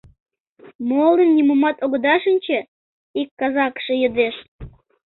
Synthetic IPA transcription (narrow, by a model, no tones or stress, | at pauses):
molənːʲimomɑt̪oɣəd̪ɑʃənʲt͡ɕĕ | ikːɑzɑkʃejəd̪eʃ